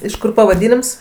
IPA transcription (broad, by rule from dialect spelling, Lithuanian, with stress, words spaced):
ɪʃ ˈkʊr pɐʋɐˈdʲiːnʲɪms